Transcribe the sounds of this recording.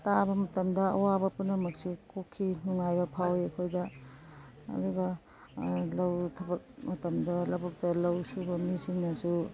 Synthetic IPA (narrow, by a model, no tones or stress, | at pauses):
tabɐmɐtɐmdɐɐ̰wabɐpunɐmɐk̚sikokʰːinuŋajbɐpʰawiɐkʰojdɐ | ɐ̰duɡɐ | lɐwtʰɐbɐk̚mɐtɐmdɐlɐbɐk̚tɐlɐwsubɐmisiŋnɐsu